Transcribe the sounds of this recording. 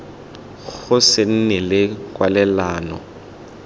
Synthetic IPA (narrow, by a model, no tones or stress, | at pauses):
ɣʊsɪn̩nɛlɪkʼwalɛlaːnɔ̰